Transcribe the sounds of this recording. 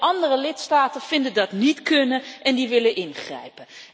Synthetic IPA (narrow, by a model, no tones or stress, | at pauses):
ʔɑndərəlɪtstaːtənv̥ɪndədɑtnitkɵnənʔɛndiʋɪlənʔɪnχrɛ̰jpən